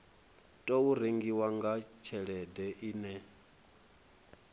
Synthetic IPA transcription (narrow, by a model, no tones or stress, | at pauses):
tʼouɾeŋɡiwaŋɡat͡ʃʰɛɺɛdɛʔiːnɛ